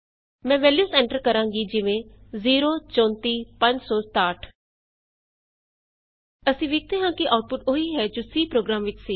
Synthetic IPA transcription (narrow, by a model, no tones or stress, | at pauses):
mɛ̃ːʋɛːljuːsɛ̃ːɳʈəɾkəɾãːŋɡiːd͡ʒɪʋẽːziːɾoːt͡ʃɔ̃ːnt̪iːpə̃ɲd͡ʒsɔːst̪aːʈʰ | əsĩːʋeːk̚t̪eːɦãːkɪʔaːʊʈ̚pʊʈoːiːɦɛːd͡ʒoːsiːpɾoːɡɾaːmʋɪt͡ʃsiː